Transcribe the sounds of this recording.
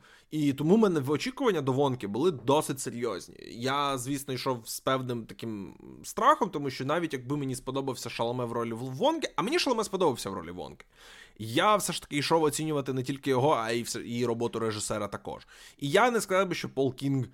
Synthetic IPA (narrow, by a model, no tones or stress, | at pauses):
it̪ɔmumɛnɛʋɔt͡ʃʲikʊʋɐnʲːɐd̪ɔʋɔnkɪbʊlˠɪd̪ɔsɪtʲseɾʲjɔzʲnʲḭjazʲʋʲisnɔijʃɔwspɛwnɪmt̪ɐkɪm | st̪ɾɑxɔmt̪ɔmuʃt͡ʃɔn̪ɑʋʲitʲjɐɡ̚bɪmenʲispɔd̪ɔbɐwsʲɐʃɐlˠɐmɛʋrɔlʲiːɔnkɪʔɐmenʲiʃɐlˠmɛspɔd̪ɔbɐwsʲɐʋɾɔ̰lʲḭʋɔ̰nkɪ̥jafsɛʃt̪ɐ̥kɪiʃɔwɔt͡sʲinʲʊʋɐt̪ɪnɛtʲilʲkɪjɔɦɔɐisɛiɾɔbɔt̪ʊɾeʒɪsɛɾɐt̪ɐkɔ̰ʒijanɛskɐzɑwbɪʃt͡ʃɔpɔlˠkʲinɡ